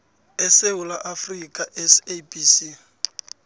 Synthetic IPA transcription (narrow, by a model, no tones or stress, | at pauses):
ɛseʊlaʔafrikʼaʔɛsebʼisi